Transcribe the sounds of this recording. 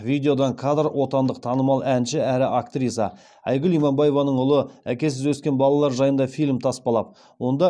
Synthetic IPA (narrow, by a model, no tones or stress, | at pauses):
vʲijd̪ʲeo̞d̪ɑɴkʰad̪rwʔo̞t̪ɑnd̪əq̚t̪ʰɑnəmɑlˠænʃɪæɾɪʔakt̪rʲis̬ɑ̰ | ɑ̰jɡʏlijmɑmbɑje̞vɑnəɴʊlˠəækʲe̞s̬ɪzwɵskʲe̞nbɑlˠɑlˠɑɾʒɑjənd̪ɑfijlʲmt̪ʰɑspɑlˠɑp̚ | wo̞nd̪ɑ